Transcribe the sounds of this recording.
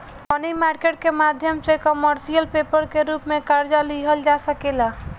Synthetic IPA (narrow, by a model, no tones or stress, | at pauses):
ɔnimaɾkeʈ̚kemad̪ʱjəmsekəməɾsijəlpeːpəɾkeɾuːpmẽkaɾd͡ʒaliɦəld͡ʒasəkela